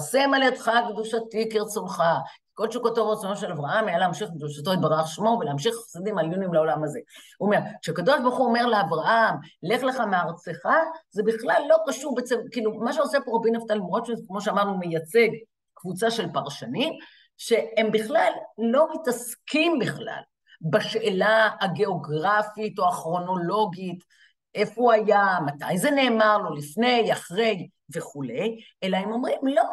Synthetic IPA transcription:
semaled̪χakd̪uʃatikeʁet͡sonχaki̥ko̞lʃukot̪ovʁet͡sonoʃe̞lavʁaʔamajaleamʃiχk̚d̪uʃat̪̬oet̪̚baʁaχʃmo̞veleamʃiχasid̪imaljunjimleo̞lamaze̞uome̞ʁkʃeakad̪o̞ʃbaʁχuome̞ʁleavʁaʔamle̞χleχameaʁt͡seχaze̞biχlalːo̞kaʃuʁbet͡sevkiːlumaʃ̬eosepoʁabinaft̪alimʁot̪ʃuzekmo̞ʃeamaʁnumejat͡se̞ɡ | kvut͡saʃe̞lpaʁʃanim | ʃe̞embiχlalːo̞mitaskimbiχla̰l | baʃelaːɡe̞o̞ɡʁafito̞aχʁo̞no̞lo̞ɡit | ʔe̞fouajamatajzene̞ːmaʁlo̞lifne̞jaχʁe̞j | ve̞χule̞j | e̞laemo̞mʁimlo̞

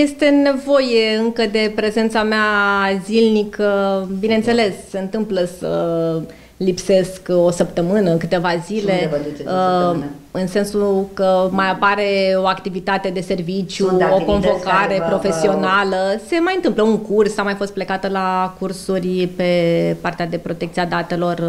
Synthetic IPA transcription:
je̞st̪e̞ne̞vo̞jeɨŋkəd̪e̞pɾe̞ze̞nt̪sameazilnikəbinent̪se̞le̞sːe̞ɨnt̪ɨmpləsə̰ | lipse̞sko̞səpt̪əmɨnəkɨt̪e̞vazile | ɨnse̞nsukəmajapaɾe̞o̞akt̪ivit̪at̪e̞d̪e̞se̞rvit͡ʃjuoko̞nvo̞kaɾe̞pɾo̞fe̞sio̞naləse̞majɨnt̪ɨmpləuŋkursamajfo̞st̪ple̞kat̪əlakursurʲpe̞part̪ead̪e̞pɾo̞t̪e̞k̚t̪siad̪at̪e̞lo̞r

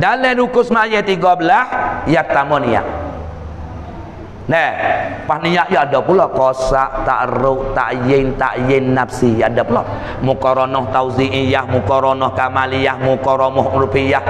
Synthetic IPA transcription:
dalɛnukʊsmajɛt̪iɡɔbəlasjak̚t̪amɔnija̰ʔ | nɛhpahnijaʔjaadɔpulɔkɔsaʔt̪a̰ʔɾʊʔt̪a̰ʔjɪnt̪a̰ʔjɪnːapsijadapulɔ | mukɔɾɔnɔht̪awziʔijahmukɔɾɔnɔhkamalijahmukɔɾɔmɔhuɾupijah

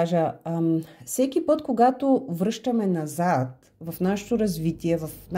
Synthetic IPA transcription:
ʒə | fsɛk̟ipɤt̪koɡat̪ovɾɤʃt̪ɐmɛnɐzat̪̚ | vɐfnaʃɛ̥t̪oɾɐzvit̪iɛvɐfn

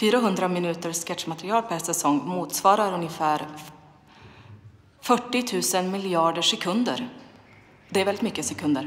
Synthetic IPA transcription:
fyːɾaɦɵnd̪ɾamɪnʉ̟ːt̪əɾskɛt̪ʂmat̪ɾɪɑːlpʰæsɛsɔŋːmuːt̪svɑːɾaɾɵnjəfæːɾ | fœʈːɪt̪ʰʉ̟ːsənmɪljɑːɖəʂɛkʰɵnd̪ə̰ɾ | d̪ɛːɾvɛlɪt̪mʏkːəsɛkʰɵnd̪ə̰ɾ

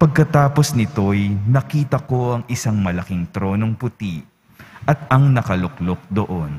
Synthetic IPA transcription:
pɐɡ̚kɐt̪aːpo̞snɪt̪o̞jnɐkiːt̪ɐko̞ʔɐŋʔɪsaŋmɐlɐkɪŋt̪ɾo̞ːno̞ŋpʊt̪i | ʔɐt̪̚ɐŋnɐkɐlʊk̚lok̚d̪oʔon

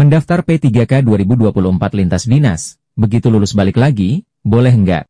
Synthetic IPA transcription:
məndaft̪arpet̪iɡakaduaɾibuduapuluhəmpat̪̚lint̪asdina̰s | bəɡit̪ululʊsbalɪklaɡi | bolɛɦəŋɡa̰ʔ

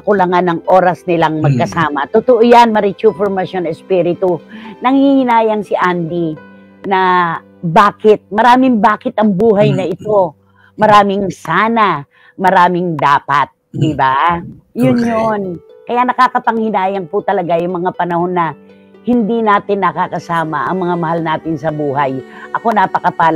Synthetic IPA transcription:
ɐkʊlɐŋanɐŋʔo̞ɾɐsnɪlaŋmɐɡ̚kɐsaːmɐt̪ʊt̪oʔojanmɐɾit͡ʃufoɹmɐsonɛspiɾɪt̪unɐŋhihɪnaːjɐŋsɪʔand̪i | nɐ | baːkɪt̪̚mɐɾaːmɪŋbaːkɪt̪ɐŋbuːɦɐjnɐʔɪt̪o̞ | mɐɾaːmɪŋsaːna | mɐɾaːmɪŋd̪aːpɐt̪̚d̪ɪbajʊnjonkɐjanɐkakɐpɐŋhɪnaːjɐŋpʊt̪ɐlɐɡajʊŋmɐŋapɐnɐho̞nːɐ | hɪnd̪inaːt̪ɪnːɐkakɐsaːmɐʔɐŋmɐŋamɐhalnaːt̪ɪnsɐbuːɦɐjʔɐko̞napɐkɐpaːl

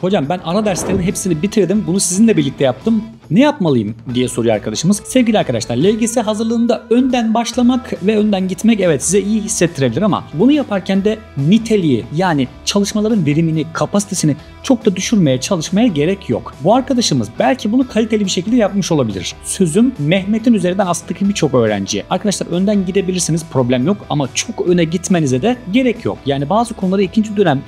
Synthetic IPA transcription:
ho̞d͡ʒambænaɾad̪æɾslʲe̞ɾiniɦepsinibit̪ʰiɾd̪imbunusizinlʲɛbiɾlʲic̚t̪ʰɛjap̚t̪ʰɯm | nɛjapmalˠɯjɯmd̪ijɛsoɾuja̰ɾkʰad̪aʃɯmɯzsɛvɟʲilʲiaɾkʰad̪aʃlˠaɾlʲɛvʲɟesiɦazɯɾlˠɯːnd̪aønd̪ænbaʃlˠamakvɛønd̪ænɟit̪mɛcɛvɛt̪sizɛijiɦisːɛt̪ʰːiɾe̞bilʲiɾama̰bunujapʰaɾcʰænd̪ɛ | nit̪ʰe̞lʲiḭjaːni | t͡ʃʰalˠɯʃmalˠaɾɯnve̞ɾiminikʰapʰasi̥t̪ʰe̞sinɪ | t͡ʃʰo̞k̚d̪ad̪yʃyɾmejat͡ʃʰalˠɯʃmajaɟe̞ɾɛcʰjo̰kbuaɾkʰad̪aʃɯmɯ̰zbælʲcʰibunukʰalʲit̪elʲibiʃecʰilʲd̪ɛjap̚mɯʃolˠabilʲḭɾ̥sø̞zymːɛçme̞t̪ʰinyzeɾind̪ænasɯd̪acʰɯbit͡ʃʰo̞kø̞ːɾæ̰nd͡ʒḭjɛ̰aɾkʰad̪aʃlˠaɾønd̪ænɟid̪e̞bilʲiɾsiniz̥pʰɾo̞blʲæmjo̞ka̰mat͡ʃʰo̞kønɛɟit̪me̞nizɛd̪ɛɟe̞ɾɛcʰjo̰kjaːnibaːzɯkʰo̞nulˠaɾaicʰind͡ʒid̪ønæm

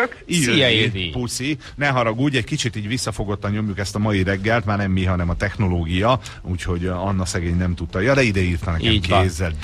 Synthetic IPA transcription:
iɛipusi | nɛɦɒɾɒɡuːɟɛckit͡ʃit̪iːɟʋisːɒfo̞ɡo̞t̪ːɒɲo̞mjukɛst̪ɒmɒjiɾɛɡːɛlt̪maːrnɛmːiɦɒnɛmɒt̪ɛxno̞loːɡijɒ | uːcho̞ɟɒnːɒsɛɡeːɲnɛmt̪ut̪ːɒjɒd̪ɛid̪ɛiːrt̪ɒnɛɛmkeːzːɛl

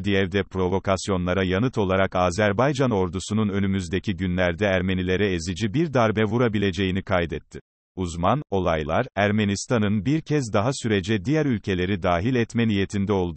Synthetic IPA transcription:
d̪ijɛvd̪ɛpɾo̞vo̞kʰasjo̞nlˠaɾajanɯt̪ʰo̞lˠaɾakaːzæɾbajd͡ʒano̞ɾd̪usununø̞nymyzd̪e̞cʰiɟynlʲæɾd̪ɛæɾme̞nilʲe̞ɾɛezid͡ʒibiɾd̪aɾbɛvuɾabilʲe̞d͡ʒe̞jinikʰajd̪ɛt̪ʰːi | uzmano̞lˠajlˠaɾæɾmenist̪ʰanɯnbiɾcʰɛzd̪aɦasyɾed͡ʒɛd̪ijæɾylʲcʰe̞lʲe̞ɾid̪aːɦilʲɛt̪mɛnije̞t̪ʰind̪ɛo̞lˠd̪

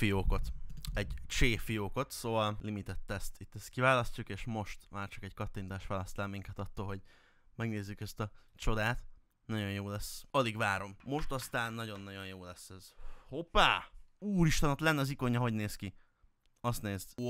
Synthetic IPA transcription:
fijoːko̞t̪ɛɟt͡ʃeːfijoːko̞t̪soːvɒllimit̪ɛt̪ːɛst̪it̪ːɛst̪kivaːlɒscukeːʃmo̞ʃt̪maːrt͡ʃɒ̥kɛɟkɒt̪ːint̪aːʃʋaːlɒst̪aːlmiŋkɛt̪ɒt̪ːoːlɦo̞ɟ | mɛɡneːzːykɛst̪ɒt͡ʃo̞d̪aːt̪ | nɒɟo̞njoːlɛsːɒliɡvaːɾo̞mːo̞ʃt̪ɒst̪aːnːɒɟo̞nːɒɟo̞njoːlɛsːɛz̥hopːaːuːɾiʃt̪ɒnot̪lɛnːɛɒziko̞ɲːɒɦo̞ɟneːski | ɒst̪neːzt̪

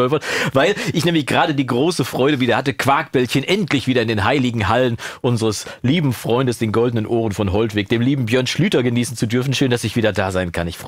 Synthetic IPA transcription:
ɔvɐvaɪlʔɪçnɛːmlɪçɡ̥ʁaːdədiːɡʁoːsəfʁ̥ɔʏɾəviːdɐhatəkʰv̥aːkb̥ɛlçənʔɛntlɪçv̥iːɾɐɪndeːnɦaɪlɪɡŋ̩ɦalənʔʊnzəʁəsliːbm̩fʁ̥ɔʏndəsd̥eːnɡɔldənənʔoːʁənfɔnɦɔltv̥eːk̚d̥eːmliːbm̩bjœːɐnʃlyːtɐɡəniːsn̩t͡sudʏɐfn̩ʃøːnd̥asɪçv̥iːdɐdaːzaɪnkʰanɪçf

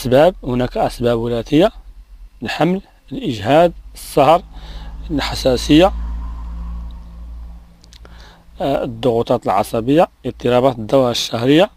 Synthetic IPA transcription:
sbæb̚hʊnækʔæsbæbwəlæt̪əjːa | lħaml | əlʔəʒhæd̪̚əsˤːɑhɾˤ | lħasæsəjːa | d̪ˤːʊɣut̪ˤɑt̪əlʕɑ̰sˤɑbəjːaʔəɾt̪ˤːəɾɑbæt̪əd̪ːæwaʃːæhɾəjːa

